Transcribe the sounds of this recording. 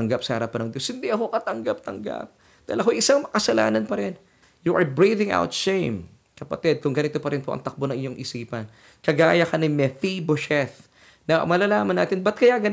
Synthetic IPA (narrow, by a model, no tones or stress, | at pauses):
ɐŋɡap̚sɐhɐɾapɐnɐŋd̪jo̞shɪnd̪iʔɐko̞kɐt̪ɐŋɡap̚t̪ɐŋɡa̰p̚ | d̪̥aːilʔɐkojʔɪsaŋmɐkɐsɐla̰ːnɐnpɐɾɛn | juʔɐɹbɹiðɪŋʔa̰wt̪ʃejm | kɐpɐt̪ɛd̪̚kʊŋɡɐnɪt̪o̞pɐɾɪnpo̞ʔɐ̰ŋt̪ɐk̚bonɐŋʔɪɲo̞ŋʔɪsiːpɐn | kɐɡa̰ːjɐkɐnɪmɛfiboʃɛθ | nɐmɐlalaːmɐna̰ːt̪ɪnbɐt̪̚kɐjaɡɐ